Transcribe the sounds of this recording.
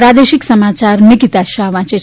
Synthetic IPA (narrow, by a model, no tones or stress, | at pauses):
ɾad̪eʃiksəmat͡ʃaɾnɪkit̪aʃaʋãt͡ʃe